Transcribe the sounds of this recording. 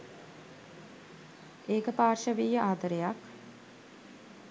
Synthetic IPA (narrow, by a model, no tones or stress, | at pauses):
eːkəpaːrʃəʋiːjəʔaːd̪əɾejak